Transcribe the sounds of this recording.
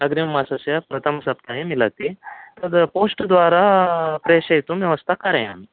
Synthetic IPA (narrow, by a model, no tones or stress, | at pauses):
əɡɾimːasasjapɾɐt̪ʰəmsɐp̚t̪ʰaɦemilat̪it̪əɾposʈd̪ʋaɾapɾeɕɐt̪umʋjɐʋəst̪ʰakaɾea̰mi